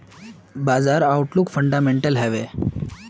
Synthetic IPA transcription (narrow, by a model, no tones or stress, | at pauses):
bad͡zaɾawuʈlukfəɳɖameɳʈəlɦɛʋe